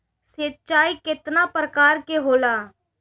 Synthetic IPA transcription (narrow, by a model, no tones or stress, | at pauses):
setːt͡ʃaːikɪt̪napɾəkaːɾkeɦoːlaː